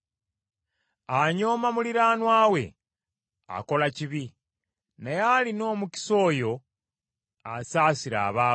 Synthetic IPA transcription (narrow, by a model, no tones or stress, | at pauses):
aɲo̞ːmamuliɾaːnwaːwe̞̰ | a̰ko̞laciβi | najalino̞ːmuci̥so̞ːjo̞ | asaːsiɾa̰ːβaː